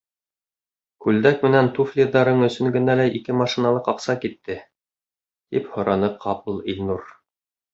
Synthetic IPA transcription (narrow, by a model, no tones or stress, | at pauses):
kʉld̪ækmɘ̆nænt̪uflʲiðːɑɾɤɴɵ̆sɵ̆ŋɡɘ̆nælæʔikɘmɑʃinɑlˠɤqɑqsɑkit̪ːɘ | t̪iphŏɾɑnɤqʰɑpɤlˠilʲnuɾ